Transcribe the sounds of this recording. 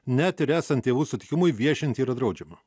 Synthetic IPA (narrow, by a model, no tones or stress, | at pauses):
nʲæt̪ɪɾæːsɐnt̪t̪ʲeːʋuːsʊt̪ʲɪ̥kʲɪmʊɪʋʲiɛʃʲɪnʲt̪ʲiːɾɐt̪d̪ɾɐʊd͡ʒʲɛmɐ